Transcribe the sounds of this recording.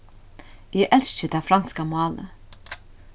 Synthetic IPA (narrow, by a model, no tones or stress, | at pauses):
jeʔɛlst͡ʃəd̪æfɾɑnskɑmʊɑːlə̰